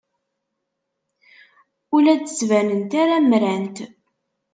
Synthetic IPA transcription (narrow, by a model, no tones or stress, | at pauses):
ʊlæt͡sə̥svænənt̪aɾæmɾænt̪